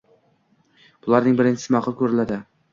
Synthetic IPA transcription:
b̥ʊlˠaɾnɪŋbɪɾɪnt͡ʃʰɪsɪmaqʰʊlˠkʲʰɵɾɪlad̪ɪ

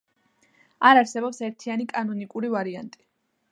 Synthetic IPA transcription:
aɾaɾsɛbɔpsɛɾt̪ʰianikʼanɔnikʼuɾivaɾia̰nt̪ʼi̥

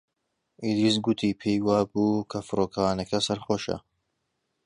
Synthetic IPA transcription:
ilisɡʊt̪ʰiːpʰejwaːbuːkʰɐfɨɾoːkʰɐwaːnɐkɐsɐɾχoːʃɐ̰

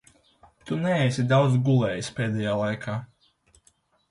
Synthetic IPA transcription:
t̪unɛɛjsʲid̪awd̪zɡulˠɛːjispɛːd̪ɛjaːlˠajkʰaː

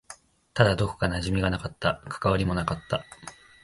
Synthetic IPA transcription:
t̪ad̪ad̪o̞ko̥kanaʑimʲiɡanakat̪ːakʰḁkaβaɾʲimo̞nakat̪ːa

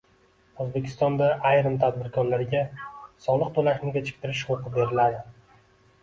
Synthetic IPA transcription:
ozbe̞kʲʰɪ̥st̪ɒnd̪aʔajɾɨmt̪ʰad̪̚bɪɾkʰɒnlaɾɡʲasɒlˠɨq̚t̪ʰolaʃnɪɡʲat͡ʃʰɪ̥k̚ʲt̪ʰɪɾɪʃhoqɨbe̞ɾɪlad̪ɪ

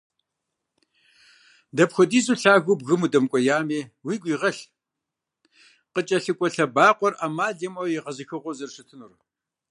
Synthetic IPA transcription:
dɐpxʷɔdiːzuɬaːɣʊbɣɨmudɐmkʷʼɔjaːmeːwiːɡʷiːʁɐɬ | qət͡ʃʼɐɬɨkʷʼɔɬɐbaːqʷʼɔrʔaːmaːɮɐmɐwjɛʁɐzɨxɨʁʷɔzɨrɕɨtʰɨnur

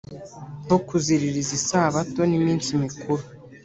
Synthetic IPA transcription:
okuziɾiɾizisaːβato̞nimiːnsimikuɾu

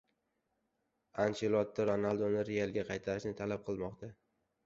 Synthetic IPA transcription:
ant͡ʃelˠɒt̪ːaɾonalˠd̪onɪɾejalˠɡʲaqʰɑjt̪ʰaɾɪʃnɪt̪ʰalap̚qʰɨlˠmɒqt̪ʰa

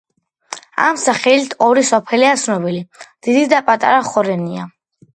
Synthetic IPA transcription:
a̰msaχɛlit̪ʰɔɾisɔpʰɛliat̪sʰnɔbilid̪̥id̪id̪apʼat̪ʼa̰ɾaχɔɾɛnia

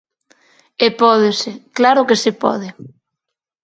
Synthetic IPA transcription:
epɔð̞ɪsɪklaɾʊkesɪpɔ̰ðɪ

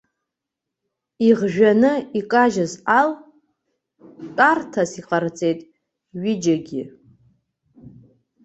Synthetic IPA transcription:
iʁʒᶣanɨikʼaʒazal | tʼartʰasiqʼart͡sʼe̞jtʼ | ɥid͡ʒaɡʲi

